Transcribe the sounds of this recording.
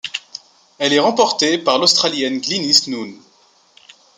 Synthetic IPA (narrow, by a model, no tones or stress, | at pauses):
ɛlɛʁɑ̃pɔʁt̪epaʁlost̪χaljɛnɡlinisnun